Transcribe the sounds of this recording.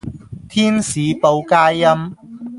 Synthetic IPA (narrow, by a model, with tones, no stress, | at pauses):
t̪ʰiː˥nsiː˨˦po˧wkaː˥jːɐ˥m